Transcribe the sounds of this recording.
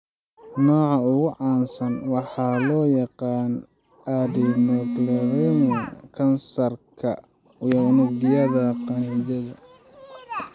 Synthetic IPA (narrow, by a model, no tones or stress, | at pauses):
nɔːʕɑʊɣʊʕɑːnsɐnwɑħɑːlɔːjɑqɑːn | ʔaðinɔːɡlɐɾɛnjkʰɐnsɐrkʰɐ | jɐnʊɡɪjɐðɐqɑnd͡ʒɐɣɐ